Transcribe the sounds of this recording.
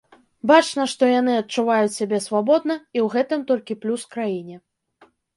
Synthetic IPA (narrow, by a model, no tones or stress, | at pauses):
bat͡ʂnɐʂt̪ɔjan̪ɨɐtt͡ʂuvajut͡sʲsʲabʲɛsvabɔd̪nɐiwɣɛt̪ɨmt̪ɔlʲkʲiplʲuskɾajinʲɛ